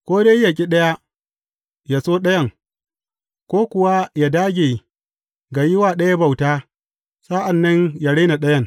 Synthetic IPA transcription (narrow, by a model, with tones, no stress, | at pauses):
kʷoː˦de˦jja˨kʲʼi˦ɗɐ˦ja˦ | jaː˨soː˦ɗɐ˦jɐ˦˨ŋ | kʷoː˦kʷʊ˨wa˦jaː˨daː˦ɡʲe˨ | ɡa˨jɪ˦waː˨ɗɐ˦ja˦ba˨wtaː˦ | saː˦ʔa˨nːɐ˦ɲja˨ɽe˦na˨ɗɐ˦jɐ˦˨ŋ